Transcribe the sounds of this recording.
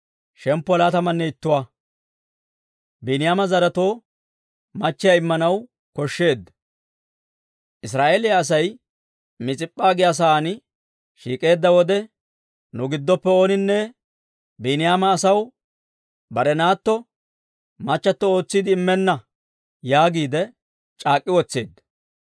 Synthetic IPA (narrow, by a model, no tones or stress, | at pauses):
ʃɛmpːɔlaːt̪ɐmɐnːɛɪt̪ːʊwa | binɪjaːmɐzɐɾɐt̪o̞ː | mɐt͡ʃːɪjaɪmːɐnɐw | kɔʃːe̞ːd̪ːɐ | ʔɪsɾaːʔe̞ːlɪjaːs̬ɐj | mɪt͡sʼɪpʼːaːɡɪjas̬ɐaːnɪ | ʃiːkʼe̞ːd̪ːɐwɔd̪ɛ | nʊɡɪd̪ːɔpːɛo̞ːnɪnːɛ | binɪjaːmɐːsɐw | bɐɾɛnaːt̪ːɔ | mɐt͡ʃːɐt̪ːɔo̞ːt͡sːiːd̪ɪːmːɛnːɐ | jaːɡiːd̪ɛ | t͡ʃʼaːkʼːɪwɔt͡sːe̞ːd̪ːɐ̥